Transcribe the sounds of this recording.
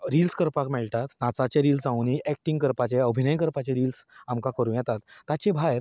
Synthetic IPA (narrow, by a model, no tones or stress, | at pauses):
ɾilskəɾpakmɛɭʈat̪nat͡sat͡ɕeɾiːlsãwniʔɛk̚ʈiŋɡkəɾpat͡ɕeəbʱinəjkəɾpat͡ɕeɾiːlsamkakəɾũjɛt̪at̪ːat͡ɕẽbʱajɾ